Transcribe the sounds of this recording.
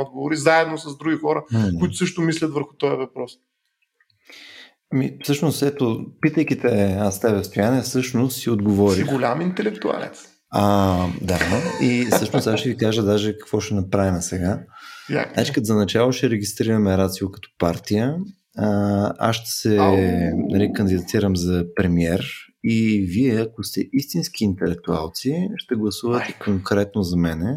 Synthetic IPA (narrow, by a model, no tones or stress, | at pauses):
ɔd̪ɡovoɾizaɛd̪nosɐzd̪ɾuɡʲixɔɾək̪ʊiʊsɤʃt̪ʊmislʲɐt̪vəɾxʊ̥t̪ɔjəvɐpɾɔs | ɐmifsɤʃnosɛt̪opit̪əjk̟it̪ɛast̪ɛvɛst̪oʊjaniɛfsɤʃnost̪siod̪ɡovɔɾiɡʊlʲamint̪ɛlɛkt̪ua̰lɛ̰t̪s | ad̪aissɤʃnosaʃɛvikaʒəd̪aʒɛkɐ̥kvɔʃɛnɐpɾavimɛsɛɡa | nat͡ʃi̥kzɐnɐt͡ʃalˠoʃɛɾɛɡ̟ist̪ɾiɾəmɛɾat̪siokɐ̥t̪ɔ̥paɾt̪ijə | a̰sʃt̪ɛ̥sɛnɐlikɐnd̪id̪ɐt̪iɾəmzɐpɾɛmiɛɾ | iviɛɐkost̪ɛʔist̪insk̟iːnt̪ɛlɛk̚t̪ua̰lˠt̪siʃt̪ɛɡlˠɐsuvət̪ɛ̥koŋkɾɛt̪nozɐmɛnɛ